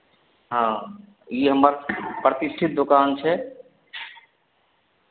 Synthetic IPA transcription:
ɦã | iɦəməɾpɾət̪isʈʰit̪̚d̪okaːnt͡ʃʰɛ

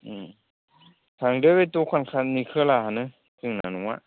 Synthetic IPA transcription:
sʰaŋdɯwetukʰankʰanikʰɯlaɦanɯ | tɯŋna̰nuŋa̰ʔ

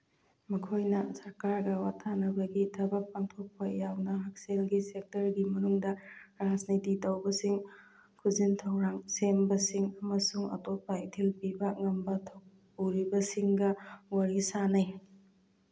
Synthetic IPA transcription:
mɐkʰojnɐsɐɾkaɾɡɐwatʰanɐbɐɡitʰɐbɐk̚paŋtʰok̚pɐjawnɐɦak̚selɡisek̚tɐɾɡimɐnuŋdɐɾad͡ʒnititɐwbɐsiŋ | kʰuzintʰɐwɾaŋsembɐsiŋɐmɐsuŋɐ̰top̚ːɐitʰilpibɐŋɐmbɐtʰɐw | uɾibɐsiŋɡɐwɐɾisanaj

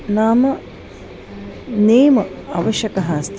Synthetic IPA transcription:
naːmɐ | neːmɐaːʋɐʃɐkɐɦaːst̪ʰ

